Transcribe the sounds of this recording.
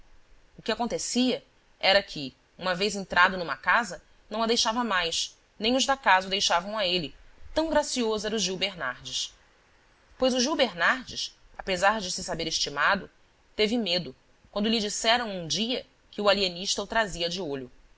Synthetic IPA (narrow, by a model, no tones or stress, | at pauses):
ʊkɪakõnt̪esiɐ | ɛɾɐkʰɪ | ũmɐvejzẽnt̪ɾʔad̪ʊnũmɐkazɐ | nɐ̃w̃ɐd̪ejʃavɐmajs | nẽj̃ʊʒd̪akazɐd̪ejʃavɐ̃w̃ɐelɪt̪ɐ̃w̃ɡɾasiozʊɛɾʊʒiwbeɾnaɾd͡ʒɪs | pojzʊʒiwbeɾnaɾd͡ʒɪsapezaɾd͡ʒɪsɪsabeɾɪʃt͡ʃimad̪ʊ | t̪evɪmed̪ʊ | kwɐ̃nd̪ʊlid͡ʒisɛɾɐ̃w̃ũd͡ʒiɐ | kɪualieniʃt̪ɐut̪ɾaziɐd͡ʒɪoʎʊ